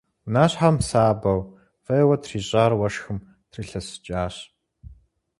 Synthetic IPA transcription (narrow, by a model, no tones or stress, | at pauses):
naːɕħamsaːbɐw | fɐjwɐtʰriːɕʼaːrwɐʂxɨm | tʰriːɬɐsɨ̥t͡ʃʼaːɕ